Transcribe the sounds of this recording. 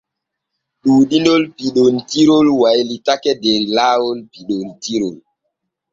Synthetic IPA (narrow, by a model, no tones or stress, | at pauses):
ɗuːɗindolpiɗontiɾolwajlitakɛdeɾilaːwolpiɗontiɾol